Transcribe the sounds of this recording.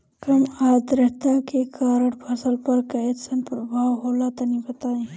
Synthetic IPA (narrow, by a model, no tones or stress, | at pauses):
kɐmaːd̪ɾəɦt̪akekʰaːɾəʈpʰɐsəlpɐɾkɐet̪sənpɾɐbʱaːwɦoːlat̪ɐnibɐt̪aːẽː